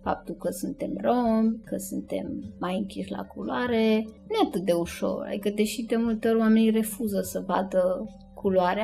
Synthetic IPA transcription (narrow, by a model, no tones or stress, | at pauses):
fa̰p̚t̪ulkəsunt̪e̞mromʲkəsunt̪e̞̰mːajɨŋkʲiʃʲla̰kulwaɾe̞nujeat̪ɨt̪̚d̪e̞uʃo̞̰ra̰d̪ikəd̪e̞ʃid̪e̞mult̪eo̞ɾʲwame̞nire̞fuzəsəba̰d̪ə | kʰuluaɾea